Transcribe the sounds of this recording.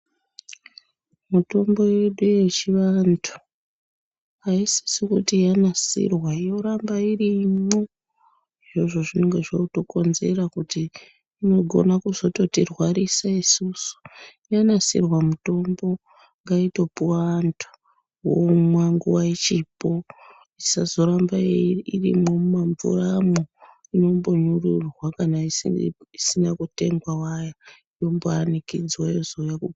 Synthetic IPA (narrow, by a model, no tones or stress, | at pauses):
muto̞mbo̞jeɗuje̞t͡ʃiʋantʰu̥ | aisi̥sikutijanasḭrwaijo̞ɾambaiɾimo | ʐoʐo̞ʐine̞ŋɡe̞ʐouto̞ko̞nze̞rakutiː | no̞ɡʱo̞̰nakuzo̞to̞tirwaɾisaisusu̥janasḭrwamuto̞mbo̞ | ŋɡaito̞puwanto̥ | womwaŋɡuwait͡ʃipo̞ | isazo̞ɾambaeirḭmomaɱvṵramo | ino̞mbo̞ɲururwakanaiisinakute̞ŋɡwawajaijo̞mboanikid͡zwajozojaku